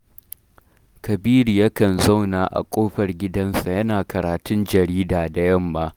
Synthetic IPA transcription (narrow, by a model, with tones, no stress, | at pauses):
kɐ˨biː˦ɾi˨jɐ˦kɐ˨nza˦wnaː˨ʔa̰˨kʷʼoː˦ɸɐ˨rɡʲɪ˦dɐ˦nsa˨jɐ˦naː˨kɐ˨ɾaː˨tʊ˦nd͡ʒɐ˨ɾiː˦daː˨da˨jɐ˦˨mːaː˦